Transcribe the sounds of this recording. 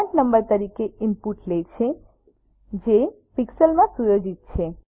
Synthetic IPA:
t͡ʃnəmbəɾt̪əɾikeɪmpuʈlet͡ʃʰe | d͡ʒe | piksəlmãsujod͡ʒit̪̚t͡ʃʰe

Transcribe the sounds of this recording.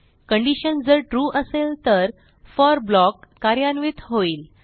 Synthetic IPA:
kəɳɖiɕənd͡zəɾʈɾuːʔəselt̪əɾ | fɔɾblɔkːaɾjanʋit̪ɦoiːl

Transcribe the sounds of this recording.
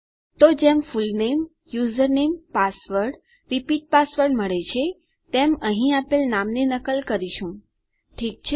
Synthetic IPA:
t̪od͡ʒemfulnem | juzəɾnempasʋəɾɖ | ɾipiʈ̚pasʋəɾɖməɭet͡ʃʰe | t̪emə̃ɦĩapelnamnenəkəlkəɾiʃũ | ʈʰik̚t͡ʃʰe

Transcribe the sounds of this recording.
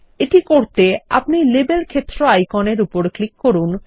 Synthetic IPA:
eʈikoɾt̪ea̰pnilebelkʰet̪ːɾoajkoneɾupoɾklikːoɾun

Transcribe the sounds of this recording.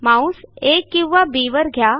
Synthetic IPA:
mãːũseːkːiwʋabiːʋəɾɡʱjaː

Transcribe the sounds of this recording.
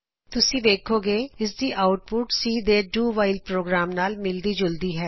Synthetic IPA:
t̪ʊsĩd̪eːkʰoɡeːɪs̬d̪iːʔaːʊʈ̚pʊʈsiːd̪eːɖuːʋaːɪlpɾoːɡɾaːmnaːlmɪld̪id͡ʒʊld̪iɦɛː

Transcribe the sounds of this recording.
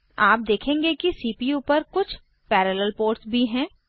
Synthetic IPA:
aːp̚d̪eːkʰẽːŋɡekisiːpijupɐɾkʊt͡ʃʰ | pɛːɾəːləlpoːɾʈsbʱiɦɛ̃ː

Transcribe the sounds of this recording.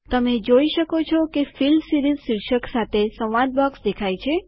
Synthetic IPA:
t̪əmed͡ʒoiʃəkot͡ʃʰɔkefilmsiɾizʃiɾʃəksat̪ʰesəʋʋad̪̚bɔksd̪ekʰajt͡ʃʰe

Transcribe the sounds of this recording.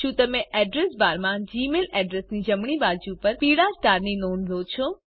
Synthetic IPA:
ʃũt̪əmẽʔɛɖɾesbaɾmãd͡ʒimelɛɖɾesnid͡ʒəmɽ̃ibad͡ʒupəɾpiɽasʈaɾninonlot͡ʃʰo

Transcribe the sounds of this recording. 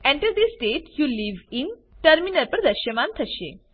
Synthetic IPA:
ɛ̃ɳʈəɾd̪isʈeʈjuliʋin | ʈəɾminəɾpəɾd̪ɐɕjəmant̪ʰəɕḛ

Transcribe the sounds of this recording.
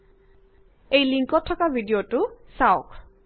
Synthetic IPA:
ejliŋkɔtʰːɔkabʱidijotusawʊk

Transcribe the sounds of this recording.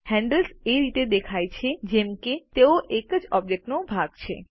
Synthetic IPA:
hɛɳɖəlseɾit̪ed̪ekʰajt͡ʃʰed͡ʑemket̪eoʔekəd͡ʑɔb̚d͡ʒek̚ʈnobʱaɡt͡ɕʰḛ

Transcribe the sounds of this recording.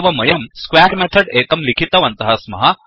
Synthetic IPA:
ʋɐmɐjɐmskʋaʈmet̪ʰəɽekɐmlikʰit̪ɐʋɐnt̪ɐɦasmɐ̰ɦa

